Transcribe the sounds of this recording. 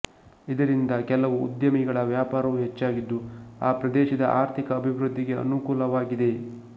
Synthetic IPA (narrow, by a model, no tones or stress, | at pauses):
id̪ɐɾind̪ɐkɛlɐʋṵːd̪jɐmiɡɐɭɐʋjaːpaːɾɐʋuɦet͡ʃːaːɡid̪ːuaːpɾɐd̪eːʃɐd̪ɐʔaːɾt̪ʰikɐːbʱiʋɾud̪ʱːiɡe̞ɐ̰nukuːlɐʋaːɡid̪e̞